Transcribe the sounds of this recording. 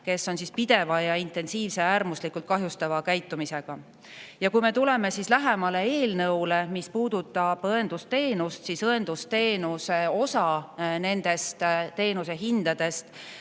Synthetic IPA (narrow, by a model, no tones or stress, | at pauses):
ke̞sːo̞nsispid̪̥e̞vɑjɑint̪e̞nsiːvse̞æːrmuslikˑult̪̚kɑɦjust̪ɑvɑkæjt̪ːˑumise̞ɡ̥ɑ | jɑkujme̞t̪ule̞me̞sislæɦemɑle̞eːlnɤwle̞mispuːd̪̥ut̪ːˑɑb̥ɤend̪ust̪e̞ːnust̪sisɤe̞nd̪̥ust̪e̞ːnuseo̞sɑne̞nd̪e̞st̪t̪e̞ːnuse̞ɦind̪̥ɑd̪̥e̞st̪